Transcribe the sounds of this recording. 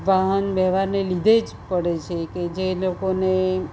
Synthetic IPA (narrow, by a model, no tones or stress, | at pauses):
ʋaɦənbɛɦʋaɾnelid̪ʱed͡ʒ | pəɽet͡ʃʰeked͡ʒelokone